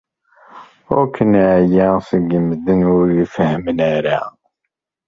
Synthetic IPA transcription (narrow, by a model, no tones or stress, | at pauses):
ʊ̰ɾkʰənʕjæsəɡəmːəd̪ənʊɾifəhmənæɾæ